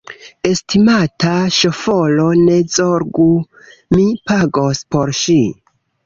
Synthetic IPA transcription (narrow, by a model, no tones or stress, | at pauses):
e̞stʰimataʃo̞fo̞lo̞ne̞d͡zoɾɡu | mipaɡo̞spo̞ɾʃi